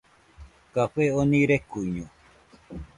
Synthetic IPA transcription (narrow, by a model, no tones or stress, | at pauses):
kaɸʷeonĩɾekuɲũ